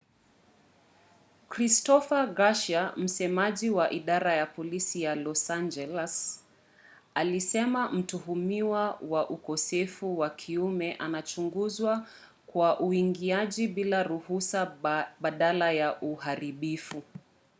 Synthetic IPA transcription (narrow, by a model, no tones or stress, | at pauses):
kɾistɔfaɡaʃam̩sɛmaʄiwaʔiɗaɾajapɔlisijalɔsand͡ʒɛlɛs | alisɛmam̩tuhumiwawaʔukɔsɛfuwakʰiumɛʔanat͡ʃuŋɡuzwa | kwaʔuiŋɡiaʄiɓilaɾuhusaɓaɗalajaʔuhaɾiɓifu